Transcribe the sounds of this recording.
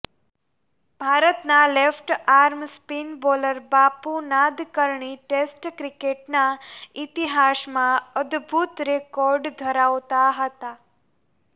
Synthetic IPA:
bʱaɾət̪nalefʈaɾmspinboləɾbapunad̪kəɾɳiʈesʈkɾikeʈnait̪iɦasmãəd̪bʱut̪ɾekɔɾɖd̪ʱəɾaʋt̪aɦət̪a

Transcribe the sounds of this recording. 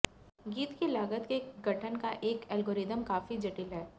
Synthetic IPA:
ɡiːt̪kilaːɡət̪keɡʱɐʈʰənkaʔeːkɛlɡoːɾɪd̪əmkaːfid͡ʒɐʈɪlɦɛː

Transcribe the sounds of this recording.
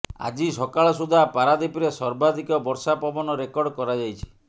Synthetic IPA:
a̰d͡ʒisɔkaɭɔsud̪ʱapaɾad̪ipɾesɔɾbad̪ʱikɔbɔɾsapɔbɔnɔɾekɔɾɖkɔɾad͡ʒajt͡ʃʰi̥

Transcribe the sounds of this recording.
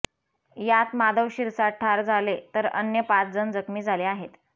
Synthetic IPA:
jat̪mad̪əʋɕiɾsaʈʰːaɾd͡zalet̪əɾə̰njəpat͡sd͡zənd͡zəkmiːd͡zʱaleaɦet̪

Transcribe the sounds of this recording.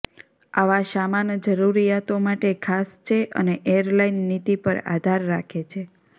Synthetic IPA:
aʋaʃamand͡ʒəɾuɾijat̪omaʈekʰast͡ʃʰeʔə̰neʔeəɾlainːit̪ipəɾa̰d̪ʱaɾːakʰet͡ʃʰe

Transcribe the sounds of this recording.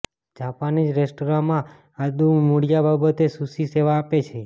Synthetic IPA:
d͡ʒapanid͡ʒɾesʈoɾãmã | ad̪umuɽijababət̪esusiseʋaːpet͡ʃʰe

